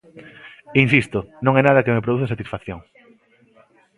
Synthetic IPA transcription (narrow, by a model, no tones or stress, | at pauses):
insist̪ʊnõŋɛnaðɐkemep̬ɾoðuθɐsat̪isfaθjoŋ